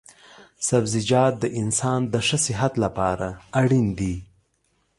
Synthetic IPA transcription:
safzid͡ʒɑt̪̚d̪əʔɪnsɑnd̪əʂəsɪɦat̪lapɑɾaaɽind̪i

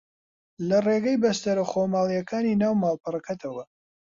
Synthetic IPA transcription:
lɐreɡɐjbɐst̪ɐɾoχomaːlˠijɐkʰaːninaːwmaːlˠpɨɾɐkɐt̪ʰɐwɐ

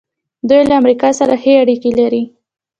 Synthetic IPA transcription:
d̪ujlaamɾikɑsaɾaxeaɽikelaɾi

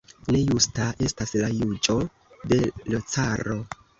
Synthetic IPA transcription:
ne̞justaʔe̞staslajud͡ʒo̞ | de̞lot͡saɾo̞

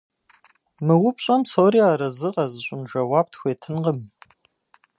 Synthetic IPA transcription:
mɨwʊpʰɕʷʼamsoːɾiaːɾɐzɨqɐzɨɕʷʼʊnʒɐwab̚tʰxʷeːtʰɨnqəm

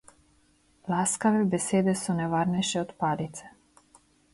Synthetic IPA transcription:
lˠaskavɛbɛsɛd̪ɛsɔnɛvaɾnɛʃɛɔt̪palit̪sɛ̥

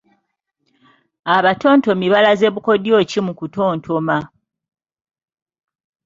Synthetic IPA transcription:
aβato̞ːnto̞miβalaze̞βuko̞djo̞ːcimukuto̞ːntʰo̞ma

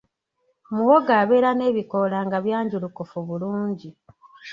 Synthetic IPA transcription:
muwoɡaːβe̞ːɾane̞ːβiko̞laːŋɡaβjaːɲɟulukofuβuluːɲɟi

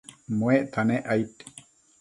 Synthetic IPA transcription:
mweʔt̪ʰaneʔajt̪

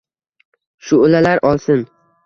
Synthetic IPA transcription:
ʃʊːlalaɾʔɒlˠsɪn

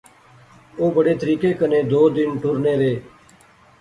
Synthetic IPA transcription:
oːbəɽeːt̪əɾiːkeːkənẽːd̪oːd̪ɪnʈʊɾneːɾeː

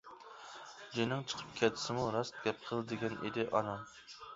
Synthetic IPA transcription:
d͡ʒinɪŋt͡ʃʰə̥qʰə̥p̚kʲʰɛt̪ʰɪ̥sɪmuɾɑst̪̚ɡʲɛp̚qʰəlˠd̪ɪɡʲɛnʔḭd̪ɪʔɑnɑm

